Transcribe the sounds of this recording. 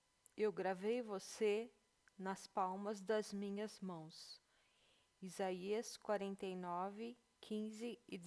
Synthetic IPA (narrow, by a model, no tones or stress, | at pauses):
ewɡɾavejvose | nɐspawmɐzd̪ɐzmĩɲɐzmɐ̃w̃s | izaiɐskwaɾẽnt̪ejnɔvɪ | kʰĩzɪɪ